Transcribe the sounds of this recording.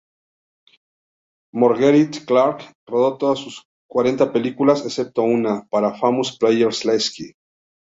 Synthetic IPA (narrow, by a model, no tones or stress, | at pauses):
moɾɣeɾit̪klaɾk | roðot̪oðasːus | kwaɾe̞nt̪ape̞likulasesep̚t̪ounapaɾafamosplejeɾsleski